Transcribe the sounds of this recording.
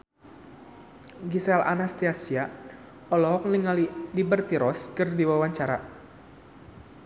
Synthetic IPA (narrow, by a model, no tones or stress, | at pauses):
ɡisɛla̰nast̪iasia | ɔlɔɦɔk̚niŋalidibərt̪iɾɔskɨrdiwawaɲt͡ʃaɾa